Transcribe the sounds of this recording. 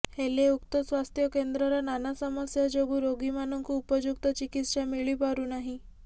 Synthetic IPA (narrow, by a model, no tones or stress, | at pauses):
heleukt̪ɔsʋast̪ʰjɔkend̪ɾɔɾɔnanasɔmɔsjad͡ʒoɡuɾoɡimanɔŋkuːpɔd͡ʒuk̚t̪ɔt͡ʃikit̪ʃamiɭipaɾunaɦĩ